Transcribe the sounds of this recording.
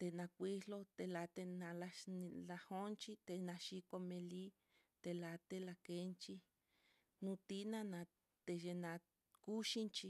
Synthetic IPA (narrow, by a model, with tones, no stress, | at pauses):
t̪e˧nã˧kʷi˦lo˧t̪e˨la˨t̪e˧nã˧la˧n˧la˧ho˦nt͡ʃi˦t̪e˧nã˧ʃi˧ko˧mẽ˧li˦ | t̪e˧la˨t̪e˧la˧ke˧˦nt͡ʃi˧ | nũ˧t̪i˦nã˧nã˨˧ | t̪e˧ʒe˧nã˧ | ku˦ʃi˦nt͡ʃi˧